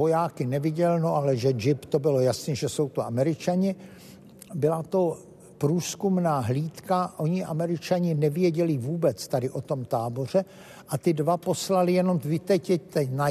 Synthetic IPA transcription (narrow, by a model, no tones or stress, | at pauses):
ojaːkɪnɛvɪɟɛlnoʔalɛʒɛd͡ʒɪpt̪o̞bɪlojasɲɛʒɛso̞wt̪uʔamɛɾɪt͡ʃaɲɪ | bɪlat̪o̞ | pɾuːskumnaːɦliːt̪kaʔo̞ɲɪʔa̰mɛɾɪt͡ʃaɲɪnɛvjɛɟɛlɪvuːbɛt͡st̪adɪʔo̞t̪o̞mt̪aːbo̞r̝ɛ | ʔat̪ɪdvapo̞slalɪjɛno̞mvɪt̪ɛcjɛct̪ɛna